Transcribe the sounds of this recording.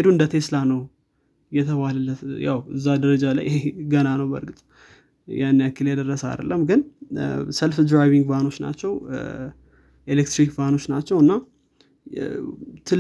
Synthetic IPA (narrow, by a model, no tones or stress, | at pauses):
ed̪uɨnd̪ət̪ʰe̞sɨlanəw | jɛt̪ʰəβahlələt̪jawɨ̰zːad̪əɾəd͡ʒala̰jʔheɡənanəwbə̰ɾɡɨt̪ʼ | janːejakʰːiljɛd̪ərːəsəa̰d̪ə̰lːəmɡɨn | səlfd̪ɾajβiŋɡvano̞t͡ʃːna̰t͡ʃːɛw | ʔelek̚t̪ɾikvano̞t͡ʃːnat͡ʃːɛwɨnːa | t̪ʰɨl